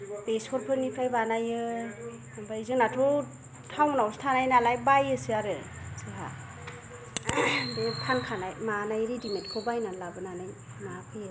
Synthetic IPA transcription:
b̥eskʰɔɾpʰɯɾnipʰɾajbanajɯ | abaizɯnatʰɔ | tʰawnawstʰanajnalajbajɯsɯaɾɯ | sʰɯɦa̰ | detʰankʰanajmanajɾidimet̚kʰɯbajnalabɯnanaj | mapʰɯjɯ

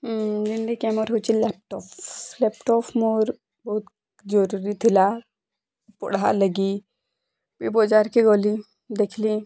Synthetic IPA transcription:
dinɖikɛmɔɾɦot͡ʃilɛp̚ʈɔplɛpʈɔpʰmoɾ | bɔut̪ | d͡ʒɔɾuɾit̪ʰila | pɔ̰ɽaləɡi | bibɔd͡ʒaɾkeɡoːli | d̪ekʰli

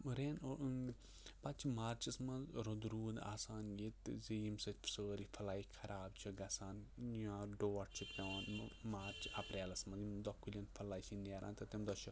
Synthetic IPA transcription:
ɾeːnoʔ | pɐt͡ʃʰimaːɾt͡ʃɐsmɐ̃zɾod̪ɾuːd̪a̰ːsaːnɡit̪zijmsɐt̪ʲfsəːɾifʰɐlaːikʰɐɾaːb̚t͡ʃʰiɡɐsaːniãːɖoːɐʈ̚t͡ʃʰiɐanmaːɾt͡ʃɐpɾeːlɐsmɐzimd̪ɔkʰːulʲinpʰɐlaːit͡ʃʰineːɾʔa̰ːnt̪ɐt̪ɐmd̪ɔt͡ʃʰu

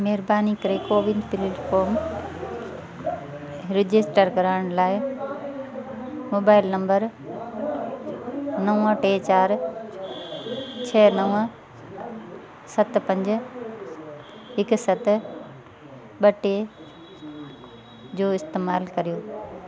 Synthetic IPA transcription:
mɛɦɪɾbaːnikɐɾekoːʋɪnpɪlɪkoːm | ɾɪd͡ʑɪsʈəɾkɐɾaːɽ̃laːɪ | moːbaːɪlnɐ̃mbəɾ | nɐʋə̃ʈeːt͡ɕaːɾ | t͡ɕʰɛːnɐʋə̃ | sɐt̪pɐ̃ɲd͡ʑ | ɦɪksɐt̪ | ɓɐʈe | d͡ʑoːɪst̪eːmaːlkɐɾijoː

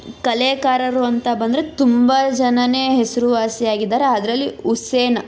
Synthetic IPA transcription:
kɐleːkaːɾɐɾuɐnt̪ɐbɐnd̪ɐɾet̪umbɐd͡ʒɐnɐneːɦesɐɾuʋaːsijaːɡid̪ːaːɾeaːd̪ɐɾɐlːiuseːnɐ

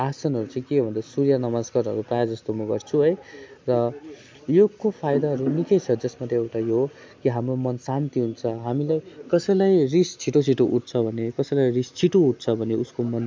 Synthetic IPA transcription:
asʌnɦʌɾut͡sʌ̃ĩkebʱʌnd̪ʌsuɾjanʌmaskʌɾʌ̰ɾuprajed͡zʌst̪omʌɡʌrt͡sʰuɦʌjrʌ | jokopʰajd̪aɦʌɾunikʌjt͡sʰʌd͡zʌsmat̪eewʈajo | kiɦamromʌnsant̪iɦunt͡sʰʌɦamilajkʌsʌjlajrist͡sʰiʈot͡sʰiʈoʔuʈ̚t͡sʰʌbʱʌnekʌsʌlajrist͡sʰiʈouʈ̚t͡sʰʌbʱʌneuskomʌn

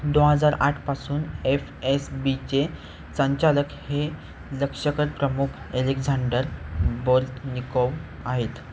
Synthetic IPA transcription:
d̪oɦəd͡zaɾaʈʰpasuːnefesbit͡ɕe | səɲt͡ɕaləkhe | ləkʂəkəɾpɾəmukʰeleɡd͡zaɳɖəɾboɾt̪nikəw | aɦet̪

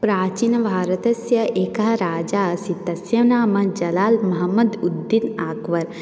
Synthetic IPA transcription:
pɾaːt͡ʃinɐbʱaːɾɐt̪ɐsjɐʔeːkɐɦɐɾaːd͡ʒaːɐsit̪ɐsjɐnaːmɐd͡ʒɐlaːlmɐɦɐmːɐd̪ud̪ːinaːkʋɐɾ

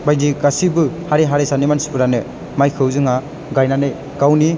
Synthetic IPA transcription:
bajdiɡasibɯhaɾeɦaɾesanimansi̥pɯɾanɯ | majkʰɯwzɯŋa | ɡajnanɯj | ɡawni

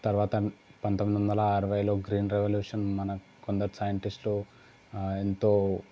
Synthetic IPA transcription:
t̪ɐɾʋaːt̪ɐpɐnt̪omid̪ʋɐnd̪ɐlaːɾɐʋɐjloːɡɾiːnɾeʋɐljuːʂɐnmɐnɐ | kond̪ɐɾusaːjɐɳʈisʈlu | ent̪oː

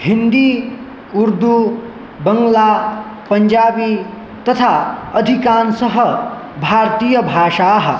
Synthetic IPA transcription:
hind̪i | uɾd̪u | bəŋɡla | pənd͡ʒaːbi | t̪ʌt̪ʰaʌd̪ʱikansʌɦʌ | bʱaɾt̪ijʌbʱaːʃaɦʌ

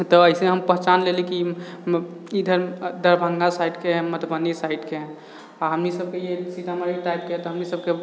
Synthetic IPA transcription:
t̪ɔəiseɦəmpəɦt͡ʃanleliki | id̪ʱəɾd̪ʱəɾbʱə̃ŋɡasaiʈkeɦmət̪ʰbənːisaiʈkeɦ | aɦəmnisəb̚kejesit̪aməɾiʈajb̚ket̪ɔɦəmnisəb̚ke

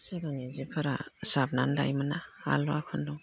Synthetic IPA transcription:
sɯɾaŋezipʰaɾa̰sab̚nanda̰jmɯnaa̰lɔakʰɯndɔ

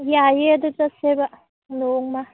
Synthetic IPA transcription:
jajedutaseba | noŋma

